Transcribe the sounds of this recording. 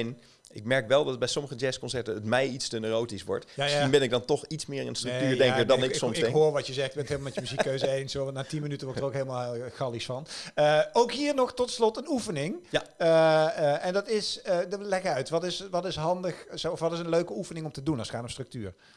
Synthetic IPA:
ɛn | ɪk̚mɛɹkʋɛlˠdɑt̚bɛjsɔməɣəd͡ʒɛskɔnsɛɹtəətmɛjitstənəːrowtisʋɔ̰ɹtjasibɪnɪɡ̚dɑntɔxitsmɪːɹɪnstrəktyːɹdɛŋkədɑnɪksɔmkɦoːrʋɑtjəzɛxtbɛntʰɦeːlˠmaːmɛtjəmyzikkːøɥzəejnsonaːtinmənytənʋɔɹttərokɦeləmaːlˠxɑlisfɑnəowkɦiːɹnɔxtɔtslɔtənufənɪŋjaəəɛndɑtɪsəlɛkəœɥtʋɑtɪsʋɑtɪsɦɑndəxsoɔfʋɑtɪsənløɥkəufənɪŋɔmtədunɑlˠsxaːtɔmstrɵk̚tyːr

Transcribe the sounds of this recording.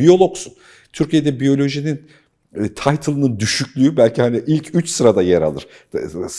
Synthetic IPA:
ijo̞lˠo̞ksun | t̪ʰyɾcʰijed̪ɛbijo̞lʲo̞ʒinin | t̪ʰajt̪ʰɯlˠɯnɯnd̪yʃycʰʲlʲyybælʲcihaniʔilʲcʰyt͡ʃsɯɾad̪ajɛɾa̰lˠɯ̰ɾ̥ | s

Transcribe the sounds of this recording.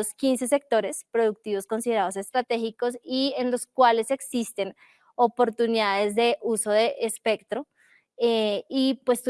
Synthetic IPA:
oskinse̞se̞k̚t̪o̞ɾe̞spɾo̞ðuk̚t̪iβo̞sko̞nsiðe̞ɾaðo̞se̞st̪ɾat̪e̞xiko̞sienlo̞skwale̞se̞ksist̪e̞n | opo̞ɾt̪uniðaðe̞zd̪e̞ʔuso̞ðe̞ʔːspe̞kt̪ɾo̞ | eipwe̞st̪u

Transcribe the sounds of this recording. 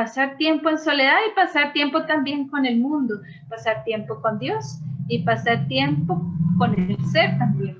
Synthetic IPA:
pasaɾt̪je̞mpoenso̞le̞ðaipasaɾt̪je̞mpo̞t̪ambje̞ŋko̞ne̞lmũnd̪o | pasaɾt̪je̞mpoko̞nd̪jo̞sipasaɾt̪je̞mpoko̞nelseɾt̪ambjẽn

